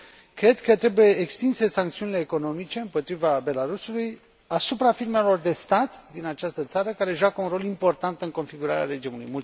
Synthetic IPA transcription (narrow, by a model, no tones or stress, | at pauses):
kɾe̞d̪kət̪ɾe̞buje̞ːkst̪inse̞saŋkt̪siunile̞ːko̞no̞mit͡ʃe̞ɨmpo̞t̪ɾivabe̞laɾusuluj | asupɾafirme̞lo̞rd̪e̞st̪at̪d̪inat͡ʃast̪ət̪saɾəkaɾe̞ʒakəunɾo̞limpo̞rt̪ant̪ɨŋko̞nfiɡuɾaɾʲea̰ɾe̞d͡ʒimulṵjmult̪